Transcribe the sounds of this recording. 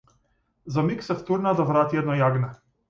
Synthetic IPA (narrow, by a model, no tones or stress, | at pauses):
zamiksɛft̪uɾnad̪avɾat̪iɛd̪nɔjaɡnɛ